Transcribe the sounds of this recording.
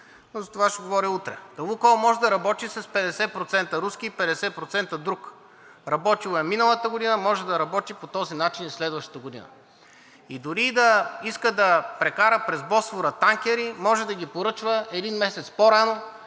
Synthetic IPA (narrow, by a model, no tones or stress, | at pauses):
nozɐt̪ovaʃɛɡovɔɾiut̪ɾɛd̪ɐlˠukɔlˠmɔʒɛd̪ɐɾɐbɔt̪isɐspɛd̪ɛsɛpɾot̪sɛnt̪əɾuskʲiːpɛd̪ɛsɛpɾot̪sɛnt̪əd̪ɾuk | ɾɐbɔt̪ilˠɛminəlˠət̪əɡod̪inəmɔʒɛd̪ɐɾɐbɔt̪ipot̪ɔzinat͡ʃinislɛd̪vɐʃt̪ə̥t̪əɡod̪ḭnə̰ | id̪ʊɾid̪ɐiskəd̪ɐpɾɛkaɾəpɾɛzbɔsvoɾət̪aŋkʲɛɾimɔʒɛd̪ɐɡʲipoɾɤt͡ʃvəɛd̪inmɛsɛt̪spoɾano